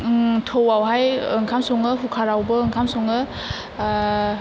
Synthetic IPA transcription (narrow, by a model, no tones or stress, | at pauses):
tʰowawɦajɯŋkʰamsɔŋɯɦukʰaɾawbɯɯŋkʰamsɔŋɯ